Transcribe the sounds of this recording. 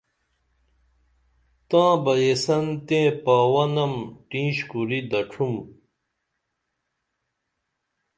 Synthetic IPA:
t̪ãːbɐjesɐnt̪ẽːpaːwɐnɐmʈĩːɕkuɾid̪ɐʈ͡ʂʰum

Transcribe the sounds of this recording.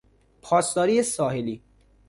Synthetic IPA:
pʰɒːst̪ɒːɾiːesɒːheliː

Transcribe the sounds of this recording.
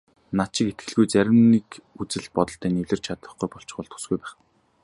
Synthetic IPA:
nat̪t͡ɕɪ̆ket̪̚ɡɘ̆ɮɣujt͡sæɾʲɪ̆mnikut͡sɘ̆ɮpɔt̪ɞ̆ɬt̪æːniwɮɘ̆rt͡ɕʰat̪ə̆χɡujpɔɬt͡ɕ̆ɢʊːɮt̪ʰu̥sɡujpæːχ

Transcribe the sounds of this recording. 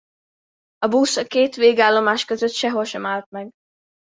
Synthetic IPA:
ɒbuːsɒkeːt̪ʋeːɡaːlːo̞maːʃkøzøt̪ʃɛɦo̞lʃɛmaːlt̪̚mɛɡ

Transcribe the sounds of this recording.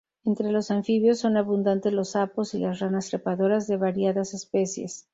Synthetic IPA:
e̞nt̪ɾe̞lo̞saɱfiβjo̞sːo̞naβund̪ant̪e̞zlo̞sapo̞silasranast̪ɾepaðo̞ɾazðe̞βaɾjaðase̞spe̞sje̞̰s

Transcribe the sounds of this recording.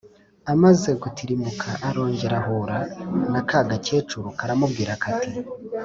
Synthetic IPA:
amaze̞kutʰiɾimukʰaʔːɾo̞ːɲɟe̞ɾaɦoɾanakʰaːɡace̞ːt͡ʃuɾukaɾamub̚ɡiːɾakʰati

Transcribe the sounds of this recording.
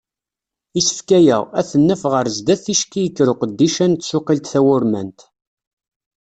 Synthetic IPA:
isə̥fkæjæ̰ʁæθənːæfʁəɾzd̪æθiʃkijəkːɾʊqəd̪ːiʃænt̪sʊqilt̪θæwʊɾmæ̰nt̪

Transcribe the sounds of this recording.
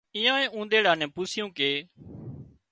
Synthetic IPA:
ɪ̃ːãːẽːũːnd̪eːɽãːnɛ̃ːpʊsɪjũːkeː

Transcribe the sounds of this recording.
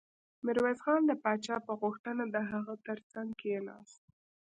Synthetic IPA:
mɪɾwezɣɑnd̪əpɑt͡ʃɑpəɣʊxt̪ənad̪əɦaɣət̪əɾt͡saŋɡkeenɑ̰s

